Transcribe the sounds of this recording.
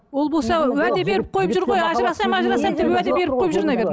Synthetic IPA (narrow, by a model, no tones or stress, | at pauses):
wo̞lˠbo̞lˠsɑwæd̪ebe̞ɾɪp̚qʰo̞jəpʒʊɾʁo̞jɑʒəɾɑsɑmɑʒɾɑsɑmd̪epwæd̪ebe̞ɾɪp̚qʰo̞jpʒʊɾnɑbed̪